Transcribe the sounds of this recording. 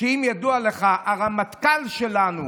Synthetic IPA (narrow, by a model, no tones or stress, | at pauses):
eimjad̪ualeχaʔaʁamat̪kalʃe̞lanu